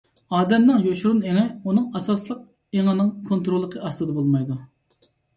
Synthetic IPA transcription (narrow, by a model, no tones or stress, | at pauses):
ɑːd̪ɛmnɪŋjoʃuɾuneŋɛunɨŋɑsɑslˠəq̚ | eŋɪnɨŋkʰont̪ɾolˠːəqʰəɑst̪ɨd̪ɛbolˠmɑjd̪u